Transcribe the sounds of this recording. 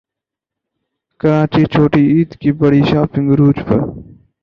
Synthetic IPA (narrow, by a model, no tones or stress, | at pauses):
kəɾãːt͡ʃiːt͡ʃʰoːʈiːiːd̪kiːbəɽiːʃaːpɪ̃ŋɡɾuːd͡ʒpə̰